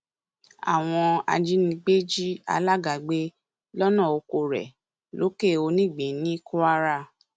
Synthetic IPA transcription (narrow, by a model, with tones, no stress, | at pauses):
a̰˨w̃ɔ̃˧a̰˧d͡ʒi˦nĩ˧ɡ͡be˦d͡ʒi˦a̰˧la˦ɡa˨ɡ͡be˧˦ | lɔ˦nã˦˨o˧ko˧ɾɛ̰˨ | lo˨˦ke˦˨o˧nĩ˦˨ɡ͡bĩ˨˦nĩ˦ku˦a˦ɾa˦˧